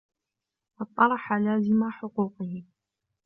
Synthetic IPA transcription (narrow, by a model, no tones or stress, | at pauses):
wɑt̪ˤːɑɾˤɑħalaːzɪmaħʊquːqɪhɪ